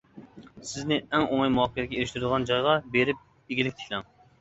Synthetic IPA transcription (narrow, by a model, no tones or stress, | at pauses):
sɪznɪɛŋoŋɑjmuɦɑkʰʲːɛd̪ɪkʲɛeɾɪʃt̪yɾɪd̪ɨʁɑnd͡ʒɑjʁɑbeɾɪp̚ | eɡʲilɪkʲt̪ʰɪ̥kʲlˠɛŋ